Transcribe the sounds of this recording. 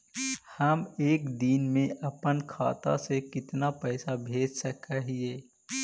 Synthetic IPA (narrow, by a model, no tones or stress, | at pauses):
həmeːkd̪iːnmẽʔɐpənkʰa̰ːt̪a̰sekɪt̪napɛɪsabʱeːd͡ʒsəkəɦieː